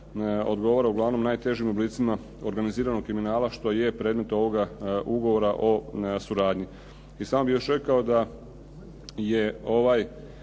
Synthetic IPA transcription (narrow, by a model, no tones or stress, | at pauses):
o̞d̪ɡo̞ʋoɾauɡlˠaʋno̞mnaːjt̪e̞ʒimubliːt̪sima | o̞ɾɡaniziːɾano̞ɡ̚kɾiminaːlaʃt̪o̞je̞pɾe̞ːd̪me̞t̪o̞ʋo̞ɡauɡo̞ʋo̞ɾaʔo̞suɾaːd̪ɲi | isaːmobijo̞ʃɾe̞kao̞d̪a | je̞o̞ʋaj